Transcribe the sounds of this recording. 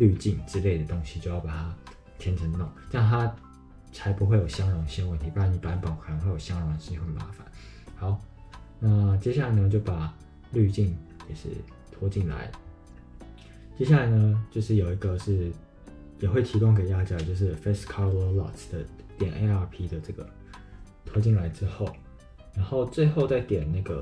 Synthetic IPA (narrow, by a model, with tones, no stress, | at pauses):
ly˥˧t͡ɕi˥˩ŋʈ͡ʂɻ̩˥le˥˩ɪd̪ə˩t̪o˥ŋɕi˧˦t͡ɕjo˥˧ʊjɑ˥˩pa˨˩t̪ʰa˥ | t̪ʰjɛ˧˥nʈ͡ʂʰə˧˥ŋnʊ̰˥˩ŋna˥˩ŋt̪ʰa˦ | t͡sʰa˧˥ɪpu˧˥xwe˥˩ɪjo˨˩ʊɕjɑ˥ŋjɑ˨˩ŋɕi˥nwə˥˩nt̪ʰi˧˥u˧˥a˧˥˩ni˨˩pa˧˥npɑ˨˦ʊkʰə˨˩n˨˧˦ŋwjo˨˩ɕjɑ˥ŋɻɑ˨ŋd̪ə˨˩ɕi˥wə˥˩ma̰˧˥˦fa̰˨˦n | hɑ˧˥˦ʊna˥˨t͡ɕjɛ˥ɕja˥˩a˧˦ɪnə˧˩t͡ɕjo˥˩ʊpa˨˩ | ly˥˧t͡ɕi˥˩nkɛ˨˩ʂɻ̩̰˥˩ | t̪ʰwɔ˧˥t͡ɕi˥˩nla̰˧˥ɪ | t͡ɕjɛ˥ɕja˥˩la˧˦ɪnə˦t͡ɕjo˥˧ʊʂɻ̩˥˩jo˨˩ʊi˧˥ɡə˨ʂɻ̩˥˩ | jɛ˨˩xwe˥˩ɪt̪ʰi˧˥kʊ˥˧ŋk̬e˨˩ɪt̪a˥˧t͡ɕjɑ˥˩t͡ɕjo˥˧ʊʂ̬ɻ̩˥˩fe˥skʰɑ˧˥lɛ˧˥lɑ̰˥˨t̪d̪̥ə˨t̪jɛ˨˩nʔe˧˥ɪa˧˥pʰi˥d̪ə˨ʈ͡ʂɤ˥˩ɡə˩ | t̪ʰwɔ˧˥t͡ɕi˥˩nla˧˥ɪʈ͡ʂɻ̩˥xo˥˩ʊ | ɻa˧˥nxo˥˧ʊt͡swe˥˧ɪxo˥˧ʊt͡sa˥˩ɪt̪jɛ˨˩nna˥˩ɡə˩